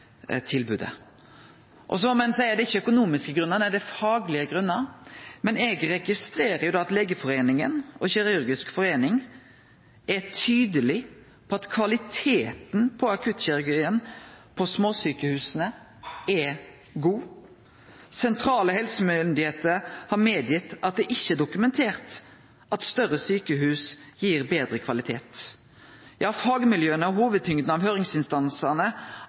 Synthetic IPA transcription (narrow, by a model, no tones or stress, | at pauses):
t̪ʰɪlbʉ̰ːd̪ə̰ | ʔɔ̰sɔmɔmɛnsæɪəd̪ɛɪçːəœkʊnuːmɪskəɡɾʉnːɑʁd̪æd̪ɛfɑːɡlɪəɡɾʉnːəmɛnɛɡɾɛɡɪst̪ɾeːɾəjʊd̪ɑːɑt̪leːɡəfɔɾeːnɪŋənɔçɛɾɑʉɾɡɪskfɔɾeːnɪŋ | ʔɛt̪ʰyːd̪əlɪ | pʰɔɑt̪kʰʋɑlɪt̪ʰeːt̪npʰɔɑkʰʉt̪ːɕɛɾʉɾɡiːənpʰɔsmoːsyːkəhʉːsnə | ɛ | ɡuː | sɛnt̪ʰɾɑːləhɛlsəmʏnd̪ɪheːt̪əɾhɑɾmeːd̪jɪt̪ːɑt̪̚d̪ɛʔɪçːəɛd̪ʊkʉmɛnt̪ʰeːʁt̪ | ʔɑt̪st̪œʁəsyːkəɦʉːsjiːʁbeːd̪ɾəkʰʋɑlɪt̪ʰeːt̪ | jʔɑːfɑːɡəmɪljøːənəɔɦuːʋəd̪̚t̪ʰʏŋd̪n̩ɑʋhøːʁɪŋsɪnst̪ɑnsənə